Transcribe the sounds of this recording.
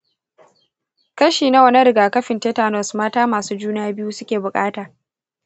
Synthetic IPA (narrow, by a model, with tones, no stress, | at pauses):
kɐ˦ʃiː˨na˦wɐ˨nɐ˦ɾɪ˨ɡaː˨kɐ˦ɸɪ˨nteː˦taː˨nɔ˨smaː˦taː˦maː˨suː˦d͡ʒuː˦naː˦bɪ˦juː˦sʊ˦kʲeː˨bʊ˨kʼaː˦taː˨